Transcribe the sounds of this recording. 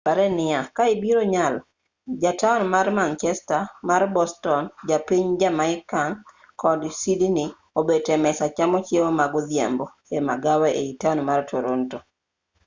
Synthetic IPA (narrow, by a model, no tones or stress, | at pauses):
paɾɛnɪakaɪbiɾoɲal | d͡ʒatanmarmant͡ʃɛstamarbɔstɔnd͡ʒapiɲd͡ʒamaɪkaŋ | kɔdsidinɪ | obetɛmɛsat͡ʃamɔt͡ʃjewomaɡɔðjɛ̰mbɔ | ema̰ɡawɛʔeitanmartʰoɾonto